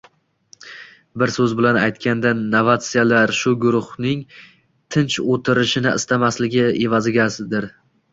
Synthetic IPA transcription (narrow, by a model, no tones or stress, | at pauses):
bɪɾsɵzbɪlana̰jt̪̚kʲʰand̪anːavat̪sɪjalaɾʃʊɡʊɾʊhnɪŋ | t̪ʰɪnt͡ʃot̪ʰɪɾɪʃɪnɪɪ̰st̪ʰamaslɪɡʲɪevazɪɡʲasɪd̪ɪɾ